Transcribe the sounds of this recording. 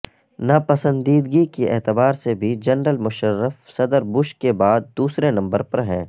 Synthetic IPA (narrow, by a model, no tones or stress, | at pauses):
napɐsə̃nd̪iːd̪ɡikiɛ̰ːt̪əbaːɾsebʱid͡ʒɐnɾəlmʊʃəɾːəfsɐd̪əɾbʊʃkebaːd̪̚d̪uːsɾenɐ̃mbəɾpɐɾɦɛ̃ː